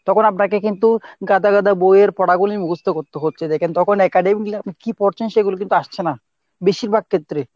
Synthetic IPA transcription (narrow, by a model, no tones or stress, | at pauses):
t̪ɔkʰonap̬nak̬ekint̪uɡad̪ʱaɡad̪ʱabojeɾpɔɽaɡulimuɡust̪ʰokoɾt̪eɦotːɕʰed̪ɛkʰent̪ɔkʰonɛkaɖemiklaapikipoɾt͡ɕʰenʃeɡulok̬int̪uaʃt͡ɕʰena | beʃiɾbʱaɡ̚kʰet̪ːɾe